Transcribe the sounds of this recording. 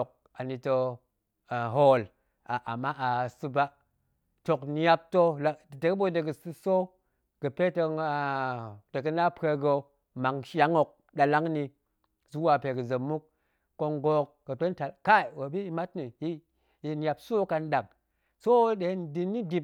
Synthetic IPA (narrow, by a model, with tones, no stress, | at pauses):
k̚ | a˨ni˨tə˨ | ɦo˦˨l | a˨ʔa̰˨mːa˦ʔa˨sɨ˦ba˦ | to˨kni˨ja˦p̚to˦la˨də˨kbo˦də˨ɡə˨sɨ˦so˦ | ɡ̥ə˨pe˦tə˨ŋa˨də˨kə˦na˦pe˦ɡə˨ | ma˨ŋʃa˦ŋo˨k̚ | ɗa˨la˦ŋni˨ | zu˦wa˨pe˨ɡə˨zə˨mːu˦k̚ː | o˦ŋɡo˨k̚ɡə˨to˦nta˨lka˦˨wo˨bi˦ma˦tni˨ji˦ | ji˨n˦ja˨pso˦ka˦nɗa˨ŋ | so˦de˨˦ndi˨nːi˦di˦˨p̚